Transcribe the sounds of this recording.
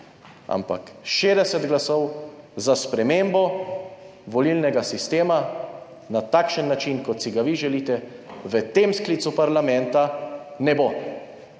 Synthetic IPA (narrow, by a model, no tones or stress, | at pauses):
a̰mpa̰kʃeːd̪ɛsɛd̪ɡlasɔwzaspɾɛmembɔ | ʋɔlilnɛɡasist̪eːma | nat̪akʃənːat͡ʃinkɔt̪siɡaʋiʒɛlit̪ɛʋət̪emsklit̪supaɾlamɛ̃nt̪anɛbo